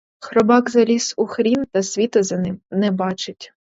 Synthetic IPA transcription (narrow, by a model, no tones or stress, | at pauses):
xɾɔbɑkzɐlʲisʊxɾʲint̪ɐsʲʋʲit̪ɐzɐnɪmnɛbɑt͡ʃɪtʲ